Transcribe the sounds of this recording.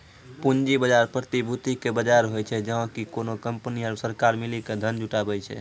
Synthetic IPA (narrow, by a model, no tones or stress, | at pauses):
pund͡ʒibəd͡ʒaɾpɾət̪ibʱut̪ikebəd͡ʒaɾɦojt͡ʃʰɛd͡ʒəɦkikonokəmpniəɾsəɾkaɾmiliked̪ʱənd͡ʒuʈabɛjt͡ʃʰɛ̰